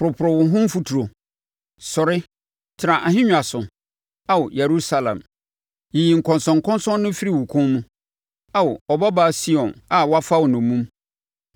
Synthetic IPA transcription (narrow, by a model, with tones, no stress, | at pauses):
pɾʊ˨pʰʊ˨ɾɔ˨wʊ̃˨˦ɦʊ̃˦m˦fu˦tʰu˨ɾo˨ | sɔ˨ɾɪ˦ | tʰɪ˨ɾã˨ʔa˨ɦɪ̃˦ɲᶣ˨a˨sʊ˨ | a˦wʊ˨je˨ɾu˦sa˦lã̰˨m | ji˨ji˨ŋ̩˨kʰɔ̃˨nsɔ̃˨ŋ̩˨kʰɔ̃˦nsɔ̃˦nnʊ̃˦fi˦ɾi˨wʊ˨kʰʊ̃˦mũ˦ | a˦wʊ˨ɔ˨ba˦baː˦˨si˦ɔ̃˨na˨wɔ˦a˦fa˦wʊ˨nʊ̃˨mũ˦m